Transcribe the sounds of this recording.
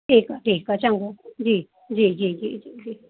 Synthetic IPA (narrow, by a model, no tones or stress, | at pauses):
t̪ikat̪ikat͡ʃaŋɡod͡ʒi | d͡ʒid͡ʒid͡ʒid͡ʒid͡ʒi